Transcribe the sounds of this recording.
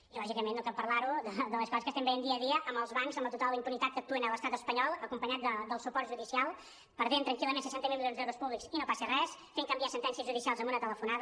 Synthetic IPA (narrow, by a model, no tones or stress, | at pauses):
ilɔʒikəmenːokapəɾlaɾuðəd̪əlˠəskɔzəskəst̪ɛmbəjend̪iəːðiəʔəmbəlˠzβaŋkzəmbət̪ut̪alˠəimpunit̪at̪̚kək̚t̪uənələst̪at̪əspəɲɔlˠəkumpəɲat̪̚d̪əd̪əlˠsupɔɾt̪ʒuðisialˠ | pəɾðent̪ɾəŋkiləmensəʃɛnt̪əmilˠmiʎionzðɛwɾuspuβliksinopasərɛsfeŋkəmbiasənt̪ɛnsiəzʒuðisialˠzəmbunət̪ələfunaðə